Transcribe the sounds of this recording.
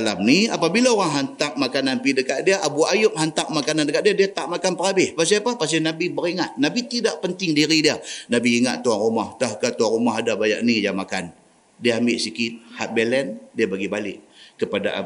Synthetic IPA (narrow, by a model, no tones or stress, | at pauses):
alamniapabilaoɾaŋɦant̪ak̚makananpidəkaʔ̪̚diaʔabuajʊp̚hant̪ak̚makanandəkat̪ʔ̚diadiat̪aʔmakanpəɾabɪhpas̬iapahpas̬ɪnabibəɾiŋat̪̚nabit̪idaʔpənt̪ɪŋdiɾidiənabiːŋat̪̚t̪ːuaŋrumaht̪ahkat̪uaŋrumaɦadabaja̰ʔnijamakan | diaambɪʔsikɪt̪̚hat̪̚bɛlɛndiabaɡibalɪʔkəpada̰